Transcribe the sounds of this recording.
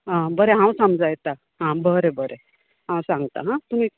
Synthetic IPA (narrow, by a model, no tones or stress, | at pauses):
ɦãbəɾeɦãw̃səmd͡zajt̪a | ɦãbəɾebəɾe | ɦãw̃sãŋɡt̪a̰ɦãt̪um̤iː